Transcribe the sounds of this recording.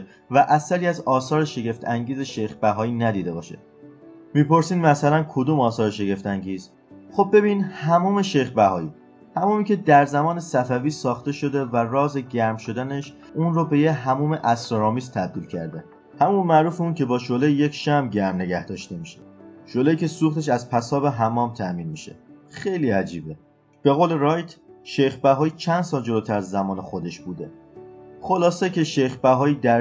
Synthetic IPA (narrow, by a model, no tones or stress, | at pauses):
væʔæsæɾiːæzɒːsɒːɾeʃe̞ɡe̞ft̪ʰæŋɟiːze̞ʃejxbæɦɒːiːnæd̪iːd̪e̞bɒ̰ːʃḛ | miːpʰo̞ɾsiːnmæsælænkʰod̪uːmɒːsɒːɾeʃe̞ɡe̞ft̪ʰæŋɟiːz̥ | χo̞b̚ːe̞biːnhæmuːme̞ʃe̞jxbæhɒ̰ːiː | hæmuːmicʲʰe̞d̪æɾzæmɒːne̞sæfæviːsɒːxt̪e̞ʃo̞d̪e̞værɒːze̞ɟæɾmʃo̞d̪æne̞ʃ | uːnrobe̞jeɦæmuːme̞ʔæst̪oɾɒːmist̪ʰæb̚d̪iːlcʰæ̰ɾd̪e | hæmunmæʔɾuːfeuːnkcʰe̞bɒːʃolejje̞cʰʃæmɟæɾmne̞ɟæhd̪ɒːʃt̪e̞miʃeʃolejiːcʰe̞suːxt̪ʰe̞ʃ̬æzpʰæsɒːbeɦæmɒːmt̪ʰæmiːnmiʃe̞̰xejliːæd͡ʒiːbe̞ | b̥eɣoːle̞ɾɒːjt̪ʰʃejxbæɦɒːiːt͡ʃʰænsɒːld͡ʒo̞lot̪ʰæɾæzːæmɒːnexo̞d̪e̞ʃbuːd̪e̞ | χo̞lɒːse̞cʰe̞ʃejxbæɦɒːiːd̪æ